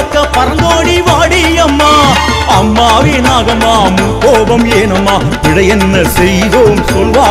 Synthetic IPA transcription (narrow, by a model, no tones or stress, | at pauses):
kːɐpɐɾɐoːɽiʋaːɽiɐmːaːɐmːaːʋeːnaːɣɐmːaːmukoːbɐmeːnɐmːaː | ɪɽɐjɛnːɐsɛjðoːmsɔlʋaː